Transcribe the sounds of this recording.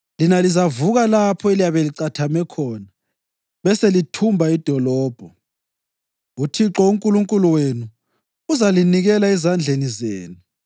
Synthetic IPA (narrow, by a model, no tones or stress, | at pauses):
linalizavuɣalapʰɔelijaβeliǀatʰamɛkʰɔna | βɛselitʰumbʱaid̥ʱɔlɔːb̥ʱɔ | utʰiǁɔuŋkʼuluŋkʼuluwenu | uzaliniɣɛlaɛzand͡ɮʱenizeːnu